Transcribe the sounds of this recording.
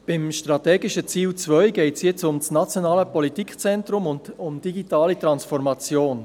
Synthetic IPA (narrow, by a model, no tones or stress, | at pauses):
b̥ɪmʃtʁɑtɛːɡɪʃət͡siːlt͡svœʏɡɛɪtsjɛt͡sʊmsnat͡sjonaːləpɔlitikt͡sɛntɾʊmʊndʊmd̥iɡitaːlitɾɑnsfɔɾmɑt͡sjoːn